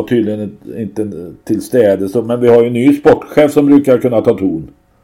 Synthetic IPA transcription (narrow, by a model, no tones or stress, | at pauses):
aʈʰyːd̪lɪɡənɪnt̪ət̪ʰɪlst̪ɛːd̪əsomɛnvɪhaɾjɵnːyːspɔʈːɧɛːfsɔmbɾʉ̟ːkaɾkɵnːat̪ʰɑːt̪ʰuːn